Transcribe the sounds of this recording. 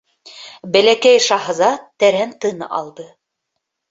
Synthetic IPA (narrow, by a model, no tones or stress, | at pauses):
bælækæjʃɑɦɤ̆zɑt̪æɾænt̪ɤnɑ̰lˠd̪ɤ